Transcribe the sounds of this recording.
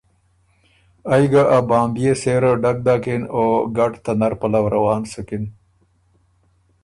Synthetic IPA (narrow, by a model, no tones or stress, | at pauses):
ajɡaʔabaːmbijeseːɾoɖak̚d̪aːkinoːɡaʈt̪anaɾpalawɾawɑːnsəkin